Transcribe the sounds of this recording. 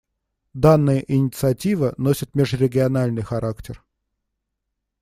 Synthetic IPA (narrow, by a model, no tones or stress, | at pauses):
d̪anːɨjəʔɪnʲɪt̪sɨɐtʲivənosʲɪt̪̚mʲɪʐɾʲɪɡʲɪɐnalʲnɨjxɐɾʔaktʲɪr